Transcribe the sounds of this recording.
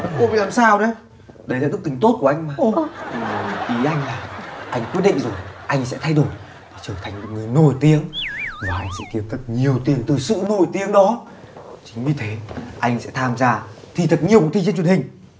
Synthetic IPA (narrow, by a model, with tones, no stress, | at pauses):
ko̰˧˦ɓḭ˧˨laː˨˩msaː˧wɗə˨˦ | ɗə˧˦jlaː˨t̪ɨ˦˥k̪̚ːï˨˦ŋ̟t̪o˦˥t̚ku˧˩ʔa˧jŋ̟maː˨˩˨ | ʔi˨˦ʔa˧jŋ̟laː˨˩ʔa˧jŋ̟kwi˦˥ət̚ɗḭ˧˨ŋ̟zo˨˩jʔa˧jŋ̟sɛ̰˧˥t̪ʰa˧jɗo˨˩j | vaː˨˩t͡ɕəː˧˩t̪ʰa˨˩ŋ̟mo˨˩t̚ŋɨ˨˩əjno˨˩jt̪i˨˦əŋvaː˨˩ʔa˧jŋ̟sɛ̰˧˥t̪i˦əp̚t̪ʰə˨˩k̚ɲi˨˩əwt̪i˨˦əŋt̪ɨ˨˩sɨ̰˧˨no˨˩jt̪i˨˦əŋɗɔ˨˦ | t͡ɕï˨˦ŋ̟vi˨˩t̪ʰe˨˦ʔa˧jŋsɛ̰˧˥t̪ʰaː˧mzaː˧t̪ʰi˨˩t̪ʰə˨˩t̚ɲi˨˩əwkt̪ʰi˧t͡ɕə˧t͡ɕwnhï˨˩ŋ̟